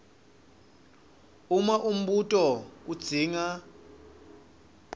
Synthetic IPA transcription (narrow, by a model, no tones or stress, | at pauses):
umaʔum̩ɓutʼɔk̬ʼud̥z̥ʱiːŋa